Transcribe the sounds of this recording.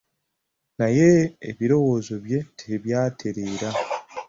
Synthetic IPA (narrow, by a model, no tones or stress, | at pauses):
najeːβiɾo̞wo̞ːzo̞βje̞tʰeβjaːtʰe̞ɾeːɾa